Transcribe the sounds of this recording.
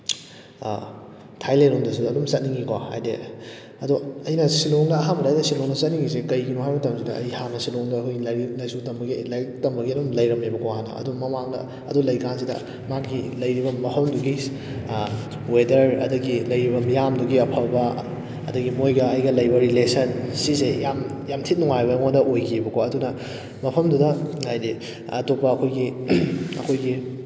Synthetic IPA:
tʰajlejɾundɐs̬udɐːdumsɐt̚niŋɡikwaha̰jdḛ | ɐduɐjnɐsiloŋdɐːɦambɐdaajdɐsiloŋnɐsɐt̚niŋɡis̬ekɐjɡinuɦajmɐtɐmsidɐɐ̰jhamnɐsiloŋdɐːkʰojlilɐjsutɐmbɐɡilajtɐmbɐɡiɐdumlɐjɾɐmebɐkʰoɦanːɐ̰ɐ̰dumɐmaŋdɐ̰ | ɐ̰dulɐjkans̬idɐ̰ | makilɐjɾibɐmɐpʰɐmduɡi | wedɐɾɐ̰dɐɡilɐjɾibɐmijamduɡiɐpʰɐlbɐ | ɐ̰dɐɡimojɡɐɐjɡɐlɐjbɐɾilesɐnsisejam | jamtʰit̚nuŋajbɐŋodɐʔojɡʰibɐkʰoɐdunɐ | mɐpʰɐmdudɐajni | ɐtopːɐːkʰojɡi | ɐ̰kʰojɡi

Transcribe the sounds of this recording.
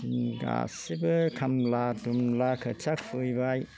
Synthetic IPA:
ɡa̰sibɯkʰamladumlakʰɯt͡ʃʰak̚pʰɯjbaj

